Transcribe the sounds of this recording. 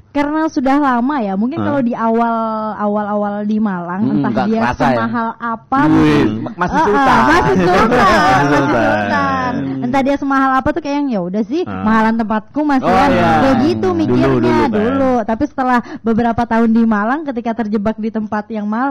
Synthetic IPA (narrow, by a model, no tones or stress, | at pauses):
karənasudahlamajamuŋkɪnkalowdiawalawalawaldimalaŋənt̪ahdiasəmaɦalapamukkɪnəʔəmasɪhsəanmasɪhsət̪anənt̪ahdiasəmaɦalapat̪ukajaŋjaudahsɪhmaɦalant̪əmpat̪̚kumasiabəɡit̪umikɪrɲadulut̪apisə̥t̪əlahbəbəɾapat̪aɦʊndimalaŋkət̪ikat̪ərd͡ʒəbak̚dit̪əmpat̪jaŋmaɦal